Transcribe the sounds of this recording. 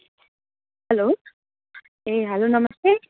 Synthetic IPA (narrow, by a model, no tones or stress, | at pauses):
ɦɐlo | eɦəlonʌməst̪e